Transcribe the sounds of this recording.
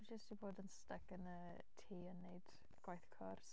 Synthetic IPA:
d͡ʒəstiboːdənstɛkənə | tʰiːənːejd̥ | ɡ̥wajθkʰɔrs

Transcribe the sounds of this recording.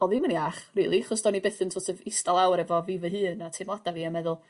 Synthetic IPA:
ɔðiməniaχrḭːlˠiχɔsd̥ɔnibeθəntʰoːtʰəvɪstalˠawɾɛvɔvivəɦɨːnatʰɪːmlˠadaviːamɛðʊlˠ

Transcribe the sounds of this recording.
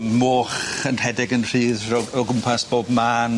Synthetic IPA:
moːχənhɛdɪɡənr̥iːðrɔɔɡʊmpʰasb̥oːbmaːn

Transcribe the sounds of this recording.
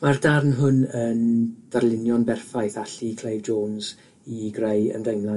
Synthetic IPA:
mardarnɦʊnəːnd̥arlˠɪnjɔnbɛrfajθaɬikʰl̥ˠejvd͡ʒoːnz̥ | iɡrejə̰ndejmlˠa

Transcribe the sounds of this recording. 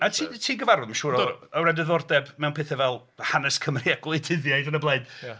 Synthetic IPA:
atʰiːtʰiːɡəvaɾʊðmaʃuːɾɔəwradəðɔrdɛbmɛwnpʰeːθɛvɛlˠ | hanɛskʰəmriaɡlˠejdɪðjajðənəblˠeɨd̥

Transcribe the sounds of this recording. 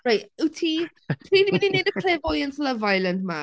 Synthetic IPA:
ɹajtɪtʰi | tʰinininedəkʰl̥eːvɔjənsləvajləndma

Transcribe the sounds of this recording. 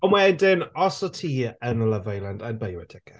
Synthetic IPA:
ɔmwɛɛdɪnɔsɔtʰiːənələvajlˠandanbajwɛtʰɛkʰə

